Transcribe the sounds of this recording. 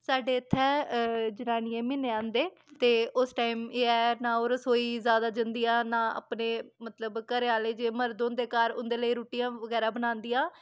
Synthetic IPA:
saːɖeːət̪ʰːɛːd͡ʒənaːniẽːmɪneːãːnd̪eː | t̪eːʊsʈaːimeːɛːnãːoːɾsoːiːzjaːd̪aːd͡ʒənd̪ijãːnãːa̰ːpneːmət̪ləbkəɾeaːleːd͡ʒeːməɾd̪õːnd̪eːkaːɾʊ̰nd̪eːləiːɾuːʈijãːʋəɡɛːɾaːbənãːnd̪iːãː

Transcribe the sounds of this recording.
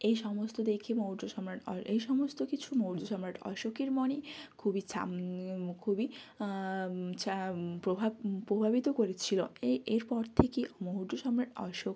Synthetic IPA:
ejʃɔmost̪od̪ekʰimoɦuʈoʃɔmɾaʈɔ̰ejʃɔmost̪okit͡ɕʰumouɾd͡ʒ̪oʃɔmɾaʈɔ̰ʃokeɾmɔnekʰubit͡ɕʰa̰mkʰubi | t͡ɕapɾobʱapɾobʱabit̪okoɾet͡ɕʰiloeeɾpɔɾt̪ʰekimoɦuɖd͡ʒ̪oʃɔmɾaʈɔ̰ʃok

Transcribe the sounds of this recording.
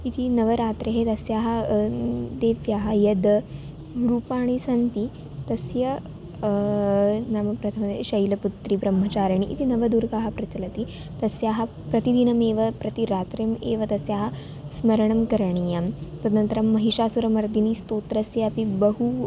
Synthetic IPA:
it̪ʰinɐʋɐɾaːt̪ɾɐɦet̪ɐsjaːɦɐ | d̪eːfjaɦɐjɐd̪ | ɾuːpaːɳ̃isɐnt̪i | t̪ɐsjɐ | namɐpɾɐt̪ʰɐmɕɐjlɐput̪ɾibɾɐmːɐt͡ɕaːɾɐɳ̃iʔḭt̪ʰinɐʋɐd̪uːɾkaɦɐpɾɐt͡ʃɐlɐt̪i | t̪ɐsjaɦɐ | pɾɐt̪id̪inɐmeːʋɐpɾɐt̪iɾaːt̪ɾjɐmeːʋɐt̪ɐsjaɦɐ | smɐɾɐɳ̃ɐmkɐɾɳ̃ijamt̪ɐnɐnt̪ɐɾɐmːɐɦiʂaːsuɾɐmɐɾd̪inist̪oːt̪ɾɐsjɐɐpibɐɦu

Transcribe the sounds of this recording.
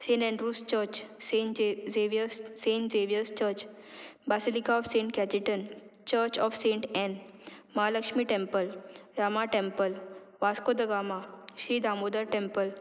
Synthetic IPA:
sẽɳʈɛ̃ɳɖɾuːst͡ɕəɾt͡ɕeeʋəssẽɳʈd͡zeʋijəst͡ɕəɾt͡ɕ | basilikaɔfsẽɳʈkɛt͡ɕiʈənt͡ɕəɾt͡ɕɔfsẽɳʈɛ̃nməɦaləkʂmiːʈẽmpəlɾamaʈẽmpəl | ʋaskod̪əɡamaɕiːd̪amod̪əɾʈẽmpəl

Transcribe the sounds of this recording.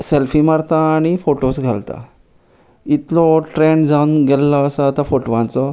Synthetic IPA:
selfimaɾt̪aːɽ̃ifoʈosɡʱalt̪a̰ | it̪lɔʈɾẽɳɖd͡zawnɡɛlːəːsəat̪afoʈʋãnt͡sɔ

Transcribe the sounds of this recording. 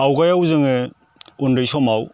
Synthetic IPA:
awɡajawzɯŋɯ | undɯjsɔmaw

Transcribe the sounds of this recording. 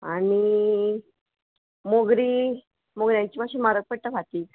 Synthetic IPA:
ani | moɡɾiː | moɡɾjãɲt͡ɕiːpaʂiːnmaɾək̚pəɽ̚t̪əʋʱat̪iː

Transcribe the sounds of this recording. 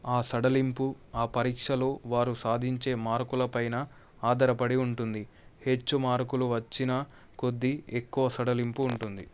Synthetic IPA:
aːsɐɽɐlimpu | aːpɐɾiːkʂɐlo̞ːʋaːɾusaːd̪ʱiɲt͡ʃe̞ːmaːɾkulɐpɐjnɐ | aːd̪ʱɐɾɐpɐɽiuɳʈund̪i | he̞t͡ʃːumaːɾkuluʋɐt͡ʃːinɐ | ko̞d̪ːiekːuʋɐsɐɽɐlimpuːɳʈund̪i

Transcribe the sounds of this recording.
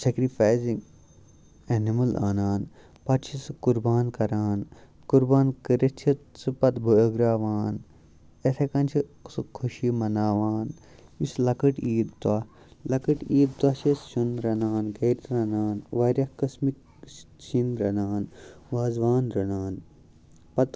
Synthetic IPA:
sekɾipʰaːjziŋɡ | enimɐlaːnaːn | pɐt̪t͡ʃʰisɨkuɾbaːnkɐɾaːn | kuɾbaːnkɐɾɐt͡ʃʰit̪sɨpɐt̪bʱuəɡɾaːʋaːn | esʰekɐnt͡ʃʰisɨkʰuʃimɐnaːʋaːn | islɐkɨʈiːd̪̚t̪ɐ | lɐkɨʈiːd̪̚t̪wɐʃest͡ʃunɾɐnaːnɡeːɾt̪ɾɐnaːnʋaɾʲjɐkɐsmik | t͡ʃinɾɐnaːnʋaːzʋaːnɾɐnaːn | pɐt̪

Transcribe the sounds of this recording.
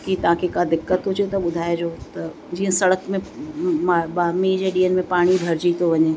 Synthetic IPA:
kit̪ɐʋ̤ãkʰekad̪ɪkːət̪ɦʊd͡ʑet̪ɐɓʊd̪ʱaːed͡ʑoːt̪ɐ | d͡ʑiːə̃sɐɽəkmẽmaɓamid͡ʑeːɗiːənɪ̆mẽpaːɽ̃ibʱɐɾd͡ʑit̪ʰoʋɐɲeː

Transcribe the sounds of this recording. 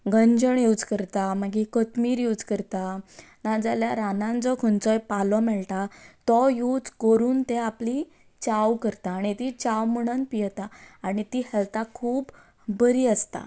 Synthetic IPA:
ɡəɲd͡ʑəɳjuwd͡zkəɾt̪aməɡikət̪miːɾjud͡zkəɾt̪a | nad͡zaljaɾanãnd͡zɔkʰunt͡sɔjpalɔmɛɭʈ̪at̪ɔjud͡zkoɾuːnt̪eapli | t͡ɕawkəɾt̪aːɽ̃it̪it͡ɕawməɽ̃ənpijt̪aːɽ̃it̪ihɛlt̪akʰuːb | bəɾiːəst̪a̰

